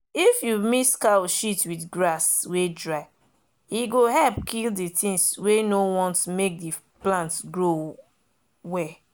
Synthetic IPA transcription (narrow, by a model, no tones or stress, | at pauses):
ifjumiskaʃitwidɡɹaswedɹaɪ | iɡoɦɛlp̚kʰilditĩnswenowɔ̃ntmek̚di | plãntɡɹo | wɛ